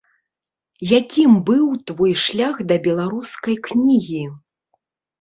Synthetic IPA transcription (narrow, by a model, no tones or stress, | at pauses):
jakʲimbɨwt̪vɔjʂlʲaxd̪ɐbʲɛlˠaɾuskɐjknʲiɣʲi